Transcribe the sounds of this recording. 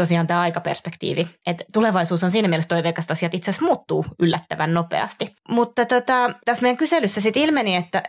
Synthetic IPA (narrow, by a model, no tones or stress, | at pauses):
t̪osiɑːnt̪æːɑikɑpḛrspekt̪ḭːʋiet̪tːuleʋɑisuːsonsiːnæmielest̪oiʋeːkɑst̪ɑsiɑt̪it̪sesmuːt̪ːuːylːæt̪ːæʋænnopḛɑ̰st̪imut̪ːɑt̪ot̪ɑt̪æsmeijæŋkyselysːæsit̪ilmeniet̪ːæ